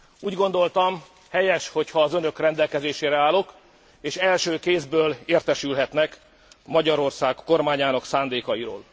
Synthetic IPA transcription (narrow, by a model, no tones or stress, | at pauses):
uːɟɡo̞nd̪o̞lt̪ɒm | hɛjɛʃho̞chɒːzønø̞krɛnd̪ɛlkɛzeːʃeːɾɛaːlo̞k | eːʃɛlʃøːkeːzbøːleːrt̪ɛʃylɦɛt̪nɛk | mɒɟɒɾo̞rsaːkkːo̞rmaːɲaːnɒksaːnd̪eːkɒjiɾo̰ːl